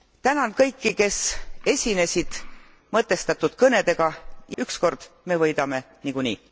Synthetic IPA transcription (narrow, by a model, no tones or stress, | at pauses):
t̪ænɑnkɤjkːike̞se̞sʲine̞sʲid̪̥ | mɤt̪ːˑe̞st̪ɑt̪ːˑud̪̥kɤne̞d̪̥e̞ɡ̥ɑjɑyksko̞rd̪̥me̞vɤjd̪ɑme̞ | nikunḭː